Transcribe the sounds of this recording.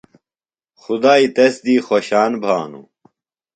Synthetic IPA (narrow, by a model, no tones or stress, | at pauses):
xud̪aːit̪ɐsd̪iːxoɕaːnbʱaːnṵ